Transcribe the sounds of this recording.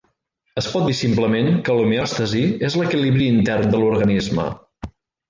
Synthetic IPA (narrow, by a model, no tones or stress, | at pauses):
əspɔt̪̚d̪isimpləmeŋkəlumiɔst̪əziezləkiliβɾiːnt̪ɛrnd̪əluɾɣənizmə̰